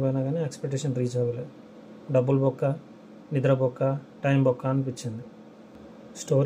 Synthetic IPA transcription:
pojnaɡaːneekspek̚ʈːeːʃɐnɾiːd͡ʒɐʋɐle | ɖɐbːulbɔkːaː | nid̪ɾɐbɔkːaʈɐjmbɔkːaːnipit͡ʃːind̪i | sʈoːɾ

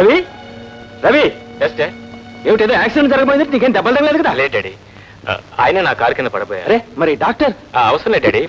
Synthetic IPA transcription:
ɾɐʋi | ɾɐʋijɛsʈeɛʋɪʈ̬ːeðoaːksɪɖɛ̃nsɐɾɐkːɐpoːɪnd̪ʈːniːŋkɐenːd̪ɐbɐlt̪ɐŋɐlaːɪðɯkːɯt̪ãːleɖeɽḭ | a̰ːjɪnɐnãːkaːɾkːend̪ɐpɐɽɐpːɯḛɐɾemɐɾiɖaːk̚ʈɐɾ | aɐʋɐsɐɾɐ̃lɐɖeɽi

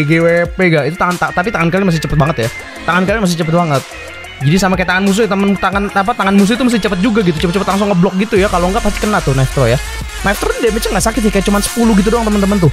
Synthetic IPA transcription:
ɡewepeɡaʔit̪ut̪aŋant̪at̪ap̬it̪aŋankalɪmasɪt͡ʃəpət̪̚baŋət̪ja | t̪aŋankalɪmas̬ɪht͡ʃəp̬ət̪̚baŋət̪̚ | d͡ʒadisamakajat̪aŋanmus̬ut̪əmənt̪aŋanap̬at̪aŋanmus̬uit̪umas̬t̪ɪht͡ʃəpət̪̚d͡ʒuɡaɡit̪̬ut͡ʃəpət̪̚t͡ʃəpət̪laŋs̬ʊŋəblɔk̚ɡit̪ujakaloŋɡaʔpast̪ɪ̥kənat̪ʊnaft̪ɾoja | naift̪ɾondɛmat͡ʃəɡaʔsakɪt̪̚jakajaʔt͡ʃumansə̥puluɡit̪̬udoaŋt̪əmənt̪̬əmənt̪̬ʊ

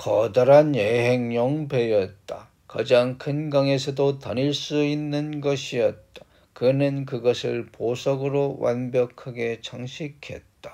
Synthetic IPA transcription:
kʌdʌɾanjeɦe̞ŋɲʌŋpe̞jʌt̚t͈a | kad͡ʑaŋkʰɯnɡaŋe̞sʰʌdotʌniɭs͈uinːɯnɡʌɕʰiʌt̚t͈ḁ | kɯnɯnkɯɡʌsʰɯɭposʰʌɡɯɾowa̰nbjʌkʰaɡe̞t͡ɕʰaŋɕʰikʰe̞t̚t͈ḁ

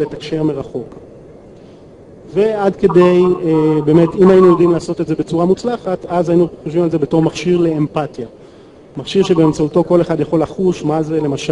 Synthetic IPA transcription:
letakʃe̞ʁmeʁaχo̞k | ve̞adke̞de̞jebe̞ːme̞timajinujodimlaːso̞tetze̞be̞t͡suʁamut͡slaχatazainuχoʃvimalze̞be̞to̞ʁmaχʃiʁle̞ːmpatja | maχʃiʁʃe̞beːmt͡sauto̞ko̞le̞χadjaχo̞laχuʃmazele̞maʃa

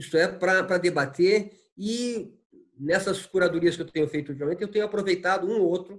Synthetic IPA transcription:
isʊɛpɾɐpɾɐd̪ebat̪eɾ | ɪ | nɛsɐskuɾad̪uɾiɐskɪewt̪ẽɲʊfejt̪ʊut̪imamẽnɪewt̪ẽɲʊapɾovejt̪ad̪ʊũowt̪ɾʊ

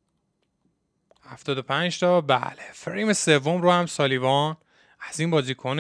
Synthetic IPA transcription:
hæft̪ɒːd̪opʰænd͡ʒt̪ʰɒːbæ̰lefɾimesevːomɾoːhæmsɒːlivɒn | æz̥iːnbɒːziːkʰon

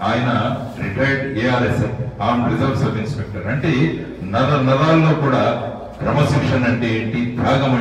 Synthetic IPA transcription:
aːjɐnɐ | ɾiʈɐjɖɛːaːɾesɐaːmɾid͡ʒɐɾʋsɐʋinspek̚ʈɐɾɐɳʈe | nɐlɐnɐlaːlːo̞ːkuːɽaː | kɾɐmɐsikʂɐnɐɳʈeeːɳʈid̪ʱaːɡɐmɐ

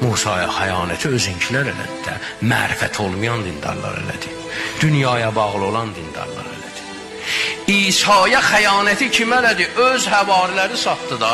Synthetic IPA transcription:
muːsɑːjɑ̰xæjɑːnæt̪ʰiø̞ziɲcʰilæɾelæ̰d̪id̪æ | mæ̰ːɾæfæ̰t̪ʰo̞lˠmujɑnd̪ind̪ɑ̰ɾlˠɑ̰ɾḛlæ̰d̪i | d̪̥ynjɑːjɑbɑɣlˠo̞lˠɑnd̪ind̪ɑ̰ɾlˠɑ̰ɾḛlæd̪̥i | iːsɑːjɑxæjɑːnæt̪ʰicʰimælæd̪iʔøzhævɑːɾilæɾisɑt̪ːɯd̪ɑ

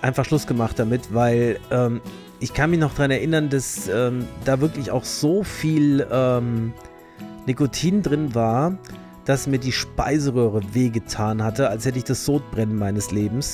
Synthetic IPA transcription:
ʔaɪnfaχʃlʊsɡ̥əmaχt̚d̥amɪtv̥aɪlʔɛːm | ʔɪçkʰanmɪçnɔχd̥ʁanɛɐʔɪnɐndasʔɛːmd̥aːvɪɐklɪça̰ʊxz̥oːfiːlʔɛːm | nikotʰiːndʁɪnvaːɐ | d̥asmiːɐdiːʃpa̰ɪzəʁøːʁ̞əveːɡətʰaːnhatəalshɛtəɪçd̥asz̥oːt̚b̥ʁɛnənmaɪnəsleːbm̩s

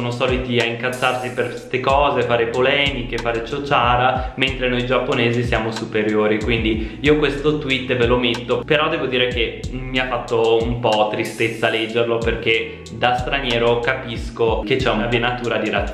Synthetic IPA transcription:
onosɔːlit̪iaiŋkat̪sːarsiper | t̪ekɔːzefaːɾepolɛːmikefaːɾet͡ʃot͡ʃaːɾament̪ɾenojd͡ʒapːoneːzisjaːmosupeɾjoːɾikwind̪iiːokwest̪ot̪wit̪ːvelomet̪ːopeɾɔd̪ɛːvod̪iːɾek̟emiafːat̪ːoumpɔt̪ːɾist̪et̪sːalɛd͡ʒːerloperk̟e | d̪ast̪ɾanjɛːɾokapiskoket͡ʃːɛunavbienat̪uːɾad̪iɾat

